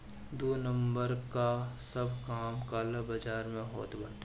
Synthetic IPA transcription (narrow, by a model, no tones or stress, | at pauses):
d̪uːnə̃mbəɾkasɐbʱkaːmkaːlɐbɐd͡ʒaːɾmẽɦo̰ːt̪bɐɽt̪ː